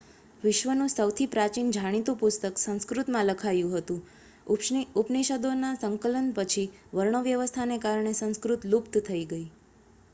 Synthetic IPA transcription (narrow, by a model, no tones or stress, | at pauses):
ʋɪʃʋənũsəwt̪ʰipɾat͡ʃind͡ʒʱaɽ̃it̪ũpʊst̪əksə̃ñskɾut̪mãləkʰajũɦət̪ũ | upniʃəd̪onasəŋkələnpət͡ʃʰiʋəɾɳəʋjəʋəst̪ʰanekaɾɳesə̃ñskɾut̪lupt̪t̪ʰəiɡəi